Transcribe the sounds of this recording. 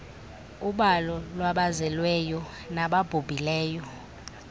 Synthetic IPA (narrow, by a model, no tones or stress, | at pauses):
uɓalɔlwaɓazɛlwɛjɔ | naɓab̥ʱub̥ʱilɛːjɔ